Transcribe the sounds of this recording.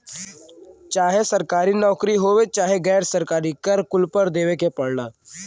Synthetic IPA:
t͡ʃaːɦesɐɾkaːɾinɔːkɾiɦoːet͡ʃaːɦeɡɛːɾsɐɾkaːɾikɐɾkʊlpəɾd̪eːʋekepɐɽnaː

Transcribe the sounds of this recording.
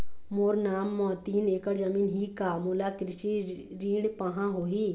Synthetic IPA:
moːɾnaːmːɔːt̪iːneːkəɾd͡ʒɐmiːnɦikamulakɾɪʃi | ɾiːɽpaɦãɦoːɦi

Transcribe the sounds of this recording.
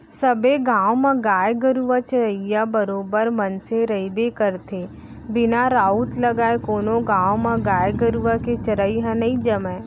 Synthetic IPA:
sɐbeɡaːwmãɡaːjɡəɾuʋat͡ʃəɾəijabəɾoːbəɾmɐnseɾəibekəɾt̪ʰe | bɪnaɾaːut̪lɐɡaːekoːnõɡãːwmãɡaːjɡəɾuʋaket͡ʃɐɾəiɦãnɐĩd͡ʒɐmɛ̃ː

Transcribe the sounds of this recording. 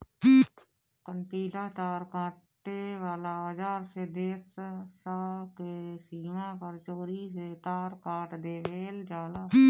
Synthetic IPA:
kəɳʈiːlaːt̪aːɾkãːʈeːʋaːlaːəd͡ʒaːɾseːd̪eːssaːkeːsiːmãːpəɾt͡ʃoːɾiːseːt̪aːɾkaːʈd̪eːʋeːld͡ʒaːlaː

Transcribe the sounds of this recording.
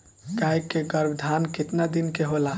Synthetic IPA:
ɡajkːeɡəɾbʱd̪ʱankɪt̪nad̪inkeɦola

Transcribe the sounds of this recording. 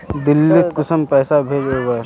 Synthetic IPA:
d̪ɪlːɪk̪kʊsəmpɛːsabʱeːd͡ʒoːbɐ

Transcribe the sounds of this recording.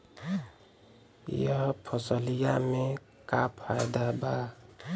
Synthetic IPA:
jəɦpʰəsəlijame | kapʰajd̪aba

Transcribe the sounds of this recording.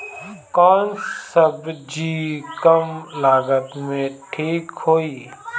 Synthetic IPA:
kɔːnsəbd͡ʒiːkəmlaːɡət̪mẽʈʰiːkɦoːiː

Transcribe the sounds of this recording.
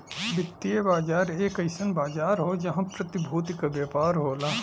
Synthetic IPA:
ʋɪt̪ːiebaːd͡ʒaːɾeːkɐɪsənbaːd͡ʒaːɾɦod͡ʒɐɦãpɾɐt̪ɪbʱuːt̪ikabjaːpaːɾɦoːlaː

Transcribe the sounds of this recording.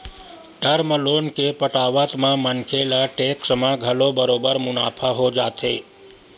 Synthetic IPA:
ʈəɾməlonkepəʈaʋət̪mãmənkʰelaʈeksmãɡʱəlobəɾobəɾmʊnapʰaɦod͡ʒat̪ʰe

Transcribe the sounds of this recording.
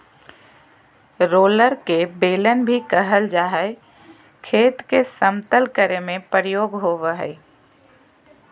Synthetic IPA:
ɾoːləɾkebeːlənbʱikəɦəld͡ʒaːɦəɪ | kʰeːt̪kesəmt̪əlkəɾemẽpəɾjoːɡɦoʋəɦə̰ɪ

